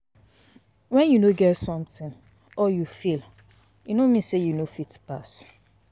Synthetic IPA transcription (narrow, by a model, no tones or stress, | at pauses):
wɛ̃njunoɡɛtsɔ̃mtɪ̃n | ɔjufil | junomĩsejunofitpas